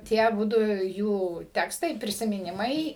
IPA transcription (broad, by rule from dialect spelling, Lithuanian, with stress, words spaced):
ˈtʲiɛ ɐˈbʊdʊ ˈjuː ˈtʲæːkstɐɪ pʲrʲɪsʲɪmʲɪˈnʲɪmɐɪ